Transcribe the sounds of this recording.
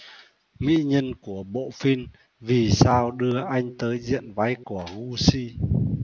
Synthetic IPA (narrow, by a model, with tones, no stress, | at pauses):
mḭ˧˥ɲə˧nku˧˩əɓo̰˧˨fi˧n | vi˨˩saː˧wɗɨ˧əʔa˧jŋ̟t̪əː˨˦jzḭ˧˨ənva˨˦jku˧˩əɣu˧si˧